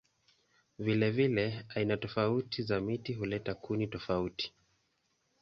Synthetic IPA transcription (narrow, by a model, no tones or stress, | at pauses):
vilɛvilɛainatɔfautizamitiɦulɛtakunitɔfauti̥